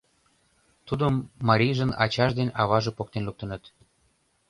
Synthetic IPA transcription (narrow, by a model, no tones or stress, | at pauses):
t̪ud̪əmːɑɾʲijʒə̆nɑ̰t͡ɕɑʒd̪enʲɑβɑʒĕpok̚t̪enluk̚t̪ə̆nə̆t̪